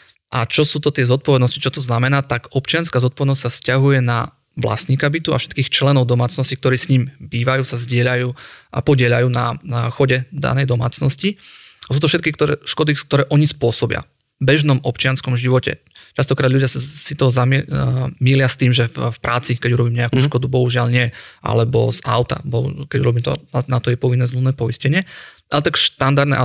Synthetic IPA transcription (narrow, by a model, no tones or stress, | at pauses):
ʔat͡ʃɔsuːt̪ɔt̪ɪɛzɔt̪̚pɔʋɛd̪nɔscit͡ʃɔt̪ɔznamɛnaːt̪aɡɔpt͡ʃɪanskaːzɔt̪̚pɔʋɛd̪nɔs̬ʲtsafscaɦujɛna | ʋla̰sɲiːkabit̪ua̰fʃɛ̥t̪kiːxt͡ʃlɛnɔʊd̪ɔmaːt͡snɔscikt̪ɔɾiːsɲiːmbiːʋajuːsazɟɪɛʎajuːʔa̰pɔɟɪɛʎajuːnaxɔɟɛd̪a̰nɛjd̪ɔma̰ːt͡snɔsciasuːt̪ɔfʃɛt̪kikt̪ɔɛʃkɔd̪ik̚t̪ɔɾɛːʔɔɲispʊɔsɔbɪa̰ | bɛʒnɔmɔpt͡ʃɪanskɔmʒiʋɔcɛ̰ | t͡ʃast̪ɔkɾad̪ʎuɟɪassit̪ɔɦɔzammiːlɪast̪iːmʒɛffpɾʔaːt͡sikɛɟuɾɔbiːmɲɛakuʃkɔd̪ubɔɦuʒɪalɲɪɛʔa̰lɛbɔ̰za̰ʊt̪a̰bɔkɛɟṵɾɔbiːmt̪ɔ̰nat̪ɔjɛpɔʋinːɛːzlunːɛːpɔiscɛɲɪɛʔalɛt̪akʃt̪and̪aɾd̪nɛ̰ʔa